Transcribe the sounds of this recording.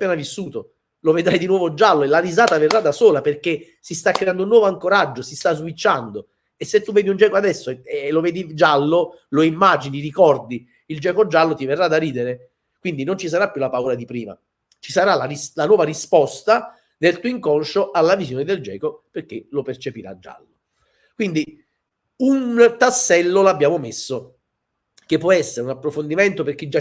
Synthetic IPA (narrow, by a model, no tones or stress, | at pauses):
apːɛːnavisːuːt̪o | loved̪ɾajd̪inwɔːvod͡ʒalːoelaɾizaːt̪averːad̪ːasoːlaperke | sist̪akːɾeand̪ounːwɔːvoaŋkoɾad͡ʒːosist̪azwit͡ʃːand̪o | esːet̪ːuvɛːd̪iund͡ʒɛːkoad̪ɛsːoɛlːovɛːd̪id͡ʒalːo | loimːaːd͡ʒiniɾikɔrd̪i | ild͡ʒɛːkod͡ʒalːot̪iverːad̪ariːd̪eɾe | kwind̪inont͡ʃis̬aɾapːjulapauːɾad̪ipɾiːma̰ | t͡ʃi̥saɾalarislanwɔːvaɾispɔst̪a | nelt̪uːiŋkɔnʃoʔalːavizjoːned̪eld͡ʒɛ̰ːkoperk̟ːelopert͡ʃepiɾa̰d͡ʒːa̰lːo | kwind̪i | unt̪asːɛlːolabːjaːmomesːo | kepːwɔɛsːeɾeunapːɾofond̪imɛnt̪operk̟ːed͡ʒa